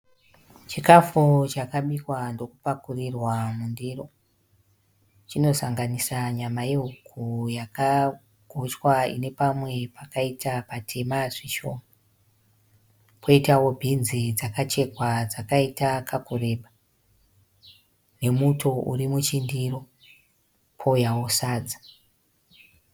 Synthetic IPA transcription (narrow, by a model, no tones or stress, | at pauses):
t͡ʃikafut͡ʃakaɓikwando̞kupakurirwamundiro̞ | t͡ʃino̞saŋɡanisaɲamajeɦukʰujaka | ɡʱot͡ʃwaḭne̞pamwe̞pakaitʰapatʰe̞maʐiʃo̞ːma | pʰo̞itawobʱinzid͡zakat͡ʃe̞kwad͡zakaitakʰakure̞ɓa | ne̞muto̞ṵrimut͡ʃindiro̞ | pʰo̞jawosaːd͡zḁ